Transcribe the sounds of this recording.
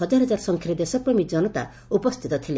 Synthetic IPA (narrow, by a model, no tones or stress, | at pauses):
ɔd͡ʒaɾɦɔd͡ʒaɾsɔŋkʰɾid̪esɔpɾɔmid͡ʒɔnɔt̪a̰ | upɔst̪ʰit̪ɔt̪ʰile